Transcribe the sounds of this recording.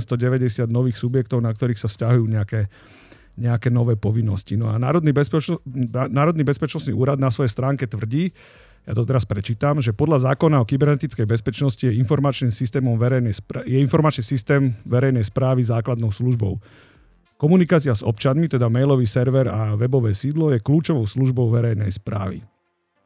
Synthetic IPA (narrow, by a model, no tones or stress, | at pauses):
st̪ɔɟɛʋɛɟɛsɪad̪nɔʋiːxsubjɛk̚t̪ɔʊnak̚t̪ɔɾiːxsafscaɦujuːɲɛakɛ | ɲɛakɛːnɔʋɛːpɔʋinːɔscinɔa̰na̰ːɾɔd̪ni | naːɾɔd̪nibɛspɛt͡ʃnɔsnḭʔuːɾad̪nasʋɔjɛst̪ɾaːŋkɛt̪ʋr̩ɟiː | ja̰t̪ɔt̪ɛɾaspɾɛt͡ʃiːt̪amʒɛpɔd̪ʎazaːkɔnaɔkibɛɾnɛt̪it͡skɛjbɛspɛt͡ʃnɔscijɛinfɔɾmat͡ʃniːmsist̪ɛːmɔmʋɛɾɛjnɛjspɾjɛinfɔɾmat͡ʃnisist̪ɛːmʋɛɾɛjnɛjspɾaːʋizaːklad̪nɔʊsluʒbɔʊ | kɔmunikaːt͡siazɔ̰p̚t͡ʃanmit̪ɛd̪amɛjlɔʋiːsɛɾʋɛɾaʋɛbɔʋɛːsiːd̪lɔjɛkluːt͡ʃɔʋɔʊsluʒbɔʊʋɛɾɛjnɛ̰jspɾa̰ːʋḭ